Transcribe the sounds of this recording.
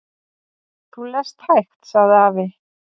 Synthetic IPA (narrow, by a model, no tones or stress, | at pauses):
θulɛst̪hajxt̪saɣðɪaːvɪ